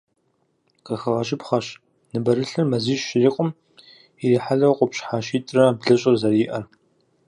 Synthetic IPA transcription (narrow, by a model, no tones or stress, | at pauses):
qɐxɐʁɐɕ̬ʼɪpχɐɕ | nɨbɐɾɨɬɨrmɐziːʃːɪriːqʼʊm | iriːħaɮɐwqʷʼʊpɕħaːʃiːtʼrɐbɮɨɕʼɪrzɐriːʔɐr